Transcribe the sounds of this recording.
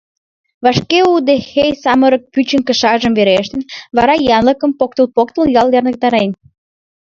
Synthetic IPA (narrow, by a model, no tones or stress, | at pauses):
βɑʃkeud̪exejsɑməɾək̚pyt͡ɕəŋkə̆ʃɑʒəmveɾeʃt̪enβɑɾɑjɑnləkəmpok̚t̪əlpok̚t̪əljɑljɑrnək̚t̪ɑɾen